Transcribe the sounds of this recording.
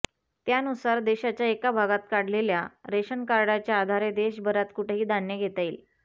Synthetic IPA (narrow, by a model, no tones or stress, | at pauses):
t̪janusaɾd̪eɕat͡ɕjaekabʱaɡat̪̚kaɽ̤leljaɾeɕənkaɾɽat͡ɕjaːd̪ʱaɾed̪eɕbəɾat̪kuʈʰeɦiːd̪aɳjəɡʱet̪ail